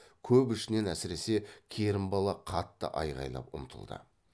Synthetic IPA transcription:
kʲʰɵpɪʃɪne̞næsɪɾe̞se̞kʲʰe̞ɾɪmbɑlˠɑqʰɑt̪ːə̰ʔɑjʁɑ̰jlˠɑ̰pʊ̰mt̪ʰə̰lˠd̪ə̰

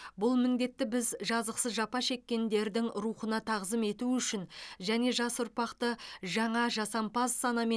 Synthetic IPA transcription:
bʊlˠmɪnd̪e̞t̪ːɪbɪzʒɑzəqsəzʒɑpɑʃe̞kʲːe̞nd̪e̞ɾd̪ɪŋɾuχənɑt̪ʰɑʁzəme̞t̪uʏʃɪnʒæne̞ʒɑsʊɾpɑqt̪əʒɑɴɑʒɑsɑmpɑzːɑnɑme

